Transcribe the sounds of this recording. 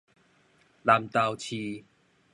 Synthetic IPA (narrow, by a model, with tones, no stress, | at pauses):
la˨˧˩mt̪a˧˩wt͡ɕʰi˧